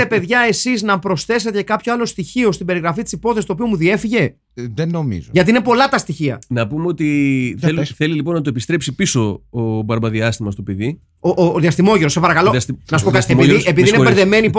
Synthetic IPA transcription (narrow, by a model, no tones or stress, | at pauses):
epe̞ðʝɐe̞siznɐpɾo̞sθe̞s̬et̪ecekɐpçoɐlo̞st̪içio̞st̪ibe̞ɾiɣɾɐfit̪i̥sipo̞θesist̪opio̞muðie̞fiʝe̞ | ðenomḭzoʝɐt̪inepo̞lɐt̪ɐst̪içiɐ̰nɐpumeo̞t̪iθlθe̞lilipo̞nːɐt̪uoepist̪ɾe̞psipiso̞obɐɾbɐðiɐst̪imɐst̪o̞peði | oʔðiɐst̪imo̞ʝeɾosɐpɐɾɐkɐloɐsnɐsupokɐst͡seiiep̬iðiineeɾðeme̞nip